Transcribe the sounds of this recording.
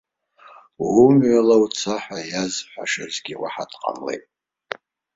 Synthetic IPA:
umɥalawt͡sʰaħʷajazħʷaʃazɡʲiwaħadqʼa̰mle̞̰jtʼ

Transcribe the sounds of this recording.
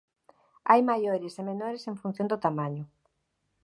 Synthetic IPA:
ajmajoɾɪsemenoɾesẽɱfun̟θjõnd̪ʊt̪amaɲʊ

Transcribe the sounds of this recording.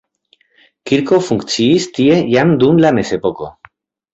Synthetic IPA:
kiɾkofuŋkt͡siist̪iejand̪unlamesepoko

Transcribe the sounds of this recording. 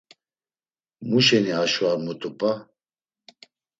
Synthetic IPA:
muʃɛniaʃwaɾmut̪ʼupʼa

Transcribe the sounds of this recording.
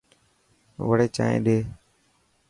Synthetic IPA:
ʋəɽeːt͡ʃa̰ːḛ̃ːɗeː

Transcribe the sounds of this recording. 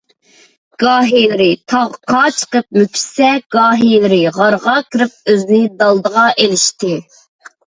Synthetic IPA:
ɡ̥ɑːɦijlˠɪɾɪt̪ʰɑʁqʰɑt͡ʃʰə̥qəp̚mykʲʰi̥sɛɡ̥ɑːɦilˠɪɾɪʁɑɾʁɑkʲʰiɾɪp̚øzɪnɪd̪ɑlˠd̪əʁɑʔelɪʃt̪ɪ

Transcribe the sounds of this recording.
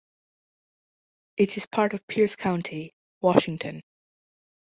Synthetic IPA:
ʔɪɾɪz̥pʰɑɹɾəv̥pʰiɹskʰãʊ̃ntʰi | wɔʃɪ̃ŋtʰə̃n

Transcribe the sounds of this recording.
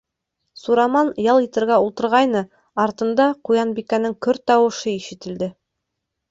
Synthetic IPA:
suɾɑmɑnjɑlˠit̪ɪ̆ɾɡʲæulˠt̪ə̆ɾʁɑjnə | ɑɾt̪ə̆nd̪ɑqʰujɑnbikʲænɪŋkʲʰɵɾt̪ːɑwə̆ʃəiʃɪ̆t̪ɪ̆ld̪ɪ

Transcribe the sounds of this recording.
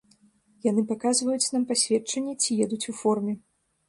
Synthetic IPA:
jan̪ɨpakazvɐjut͡sʲnampasʲvʲɛt͡ʂɐnʲːɛt͡sʲijɛd̪ut͡sʲufɔrmʲɛ

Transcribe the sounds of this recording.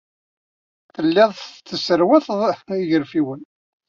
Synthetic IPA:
θəlːɪðˤt͡sːəsəɾwæθðˤiʝəɾfiwən

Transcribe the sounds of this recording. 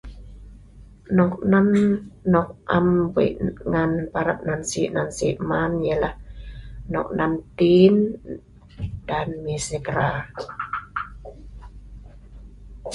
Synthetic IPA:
nɔk̚nanːɔk̚ʔa̰mwə̰ʔŋanpaɾap̚nansḭʔnansiʔmanjəlahnɔ̰k̚nant̪in | d̥anmiseɡɾa

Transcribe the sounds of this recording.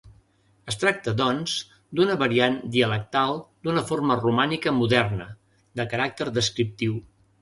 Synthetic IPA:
əst̪ɾak̚t̪əðɔnz | d̪unəβəɾiand̪iələk̚t̪alˠd̪unəformərumanikəmuðɛrnə | d̪əkəɾak̚t̪əɾðəskɾip̚t̪iw

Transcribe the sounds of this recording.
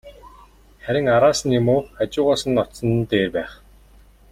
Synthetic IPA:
χæɾʲɪ̆ŋaɾaːsə̆nemoːat͡ɕʊːʁaːsə̆nɔt̪sə̆nt̪eːrpæːχ

